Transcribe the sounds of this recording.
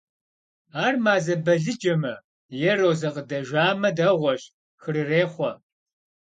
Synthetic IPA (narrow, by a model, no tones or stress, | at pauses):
aːrmaːzɐbɐɮɨd͡ʒɐmɐ | jɛroːzɐqədɐʒʷaːmɐdɐʁʷɔɕ | xɨɾɨreːχʷɔ